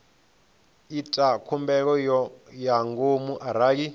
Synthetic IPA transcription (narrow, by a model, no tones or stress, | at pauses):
itʼakʰumbɛk̬ɔjaŋɡomuʔaɾaːk̬i